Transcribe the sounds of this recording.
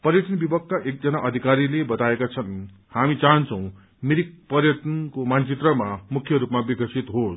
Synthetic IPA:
pʌrjʌʈʌnbibʌkːaʔek̚d͡zʌnaʔʌd̪ʱikaɾilebʌt̪aekat͡sʰʌn | hamit͡saɦʌnt͡sʰʌ̃w̃ | miɾik̚pʌrjʌʈʌnkomant͡sit̪rʌmamukʰjʌɾupmabikʌsit̪ɦos

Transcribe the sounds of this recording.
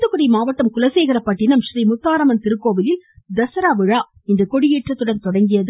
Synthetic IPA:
t̪ɯkːʊɽɪjmaːʋɐʈːɐmkʊlɐseːɣɪɾɐpːɐʈːɪnɐmʃɾiːmʊt̪ːaːɾɐmɐnt̪ɪɾɯkːoːʋɪlɪld̪ɐsɐɾaːʋɪɻaː | ɪnd̪ɐkɔɽɪjiːʈrɐt̪ːɯɽɐnt̪ɔɽɐŋɡɪjɐðɯ

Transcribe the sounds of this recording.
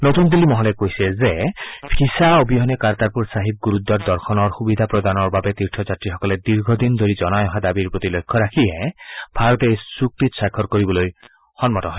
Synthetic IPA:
not̪und̪ilimɔɦɔlekojsezepʰisaobiɦɔnekaɾt̪aɾpuɾsaɦib̚ɡuɾud̪ːɔɾd̪ɔɾkʰɔnɔɾxubid̪ʱapɾɔd̪anɔɾbabet̪iɾʈʰɔd͡ʒat̪ɾixɔkɔled̪iɾɡʱɔd̪ind̪ʱoɾid͡ʒɔnajɔɦad̪abiɾpɹot̪ilojkʰːɔɾakʰiebʱaɾɔt̪ejsuk̚t̪isakʰːɔɾkoɾibɔloj | hɔnmɔt̪ɔɦɔj

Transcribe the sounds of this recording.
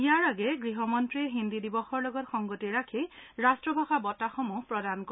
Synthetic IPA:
ijaɹaɡɛɡɹiɦɔmɔntɹiɛɦindidibɔxɔɹlɔɡɔtxɔŋɡotieɹakʰeɹastɹɔbʱaxabɔtaxomupɹɔdankɔ

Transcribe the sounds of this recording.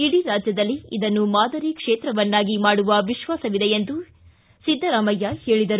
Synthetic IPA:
iɽiɾaːd͡ʒjɐd̪ɐlːiid̪ɐnːumaːd̪ɐɾikʂeːt̪ɾɐʋɐnːaːɡimaːɽuʋɐʋiʃʋaːsɐʋid̪ejend̪u | sid̪ʱːɐɾaːmɐjːɐheːɭid̪ɐɾu

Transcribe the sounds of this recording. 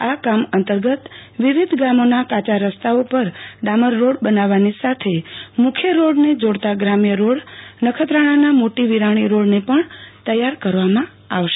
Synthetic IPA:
akamənt̪əɾɡət̪ʋiʋid̪ʱɡamonakat͡ʃaɾəst̪ʰaopəɾɖaməɾːoɽbənaʋanisat̪ʰemʊkʰjəɾoɽned͡ʒoɽt̪aɡɾamjəɾoɽnəkʰət̪ɾaɽ̃anamoʈiʋiɾaɽ̃iɾoɽnepəɳt̪əjaɾkəɾʋamã | aʋʃe

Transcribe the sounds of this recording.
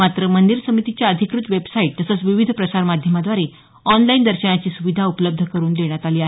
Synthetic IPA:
at̪ɾəmənd̪iɾsəmit̪it͡ɕjaəd̪ʱikɾut̪ʋebsaiʈ̚t̪əsət͡sʋiʋid̪ʱpɾəsaɾmad̪ʱjəmad̪ʋaɾe | ɔnlaind̪əɾɕəɳat͡ɕiːsuʋid̪ʱaupləb̚d̪ʱəkəɾuːnd̪eɽ̃jat̪aliːaɦ

